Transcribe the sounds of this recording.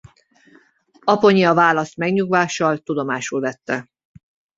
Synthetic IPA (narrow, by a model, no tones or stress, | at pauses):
ɒpo̞ɲiɒvaːlɒst̪mɛɡɲuɡvaːʃɒlt̪ud̪o̞maːʃulvɛt̪ːɛ